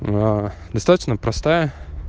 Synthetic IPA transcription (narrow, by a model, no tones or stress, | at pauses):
ad̪ɐst̪at̪ə̥t͡ɕnəpɾɐst̪ajə